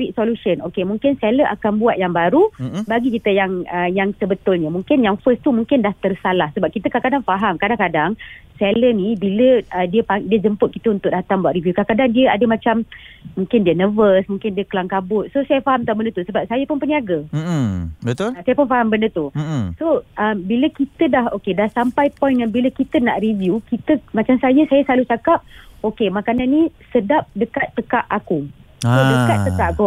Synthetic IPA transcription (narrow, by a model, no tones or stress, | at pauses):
iʔ̚solusənʔokemũŋkɪnsɛləʔakanbuat̪̚jaŋbaɾubaɡikit̪əjaŋəjaŋsəbət̪ʊlɲəmũŋkɪnjaŋfəst̪umuŋkɪndaht̪ərsalahsəbap̚kit̪əkakadaŋfaɦamkadaŋkadaŋsɛlənibiləədiəpaŋdiəd͡ʒəmpʊt̪̚kit̪əunt̪ʊʔ̚dat̪ambuwaʔrivjukakadaŋdiəadəmãt͡ʃammũŋkɪndiənəvəsmũŋkɪndiəkəlaŋkabʊt̪̚sosajəfaɦamt̪abəndət̪usəbap̚sajəpʊnpəniaɡə | bət̪ʊlasajəpʊnfaɦambəndət̪usoʔəmbiləkit̪ədahokedahsampajpɔjnjaŋbiləkit̪ənaʔrivjukit̪əmat͡ʃamsajəsajəslalut͡ʃakap̚okemakananːĩsədap̚dəkat̪ːəkaʔaku | odəkat̪ːəkaʔaku